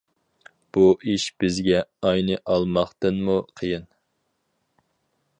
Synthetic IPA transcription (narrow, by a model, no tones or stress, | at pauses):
b̥uʔiʃb̥ɪzɡʲɛɑjnɨʔɑlˠmɑχt̪ɨnmuqʰəjɪn